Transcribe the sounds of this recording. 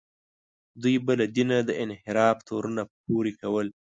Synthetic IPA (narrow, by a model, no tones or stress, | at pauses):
d̪ujbəlad̪inad̪əɪnhɪɾɑft̪ʰoɾunap̚oɾikawəl